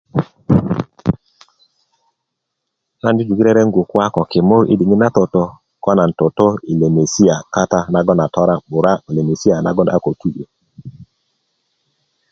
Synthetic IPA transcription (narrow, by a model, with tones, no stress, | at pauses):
na˦ndi˦d͡ʒu˨ɡi˦ɾɛ˦ɾɛ˦ŋɡu˨kwa˦kɔ˨kɪ˨mo˦ɾʔḭ˦di˨ŋɪ˦na˦tɔ˨tɔ˦ | kɔ˦na˨n̩˨tɔ˨tɔ˦i˨le˨me˨si˦a˨ka˦ta˦na˨ɡɔ˦na˨tɔ˦ɾa˦ɓʊ˨ɾa˦i˨le˨me˨si˦a˨na̰˦ɡɔ˦n˨a̰˦ko˨tu˦ʔe˨